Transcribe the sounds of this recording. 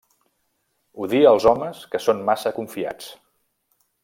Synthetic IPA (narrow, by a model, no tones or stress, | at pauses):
uðiəlˠzɔməskəsonmasəkuɱfia̰t͡s